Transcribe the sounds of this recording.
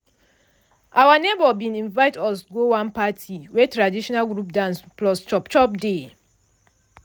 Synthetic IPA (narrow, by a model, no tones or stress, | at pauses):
ʔawanebɔbĩnĩnvaɪtɔsɡowãnpatʰiwɛtɹadiʃɔnalɡɹupdãnsplɔst͡ʃɔpt͡ʃɔp̚de